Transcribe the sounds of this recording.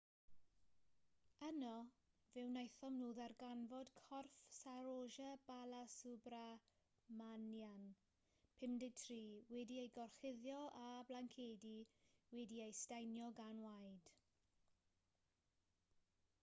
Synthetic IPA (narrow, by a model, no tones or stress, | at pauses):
ənɔ | vɪwnajθɔmnuːðarɡanvɔd̥kʰɔrfsaɾoːʒəb̥alˠasʊbra | manjan | pʰɪmdɪɡ̚tʰriːwɛdiejɡɔrχɪðjɔʔablaŋkʰeːdiwɛdiejstajnjɔɡanwajd̥